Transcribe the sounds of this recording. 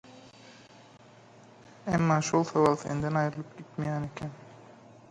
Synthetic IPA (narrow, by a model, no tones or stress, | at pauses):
æmːɑːʃolˠsavɑlˠsḛnd̪ænɑjɾɯlˠɯp̚ɡ̥ʲit̪mejænekʰæn